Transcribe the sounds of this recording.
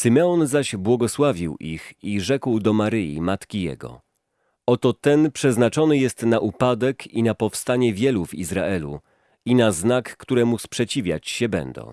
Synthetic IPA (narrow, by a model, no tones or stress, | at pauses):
sɘmɛɔnzaʑbwɔɡɔswavʲiwʔixiʐɛkwd̪ɔmaɾɘjḭmat̪kʲijɛ̰ɡɔ̰ | ɔt̪ɔt̪ɛnpʂɛznat͡ʂɔnɘjɛst̪naʔupad̪ɛkʰinapɔfst̪aɲɛvʲjɛluvḭzɾa̰ʔɛlṵ | inaznakːt̪uɾɛmuspʂɛt͡ɕivʲja̰t͡ɕɕɛbɛ̰nd̪ɔ̰̃w̃